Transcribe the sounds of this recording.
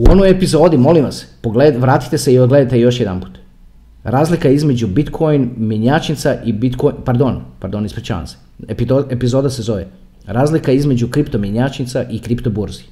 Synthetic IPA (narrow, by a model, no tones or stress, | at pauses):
uo̞nojepizo̞ːd̪imo̞limʋaspoɡleʋɾaːt̪i̥t̪eseiod̪ɡle̞d̪at̪e̞jo̞ʃ̬je̞d̪a̰npu̥ːt̪ | ɾaːzlikaizme̞d͡ʑubit̪kʰojnmiɲat͡ʃit̪saʔibit̪kopaɾd̪o̞npaɾd̪o̞nispɾit͡ʃa̰ːa̰nse̥ | piepizo̞ːd̪ase̞zo̞ʋḛ | ɾaːzlikaizme̞d͡ʒukɾipt̪omiɲat͡ʃit̪saʔikɾipt̪o̞buɾzi̥